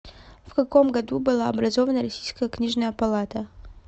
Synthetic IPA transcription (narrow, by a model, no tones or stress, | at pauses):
fkɐko̞mɡɐd̪ubɨlˠaɐbɾɐzovənəɾɐsʲijskəjəknʲiʐnəjəpɐlˠat̪ə